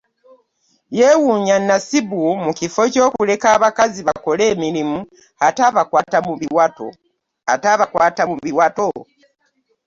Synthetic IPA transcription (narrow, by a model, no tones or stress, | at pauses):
jewuːɲanːasibumukifo̞co̞ːkule̞kaːβakaziβako̞le̞ːmiɾimu | hataːβakwaːtamuiwao̰ | a̰taβakwaːtamuβiwato